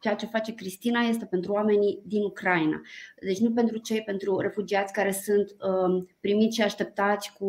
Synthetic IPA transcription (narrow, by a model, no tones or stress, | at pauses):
t͡ʃeat͡ʃe̞fat͡ʃe̞kɾist̪inaje̞st̪e̞pe̞nt̪ɾuame̞nid̪inukɾaina̰d̪e̞t͡ʃʲnupe̞nt̪ɾut͡ʃe̞jpe̞nt̪ɾuɾe̞fud͡ʒiat̪sʲkaɾe̞sunt̪pɾimit̪ʲʃiaʃt̪e̞p̚t̪at̪sʲku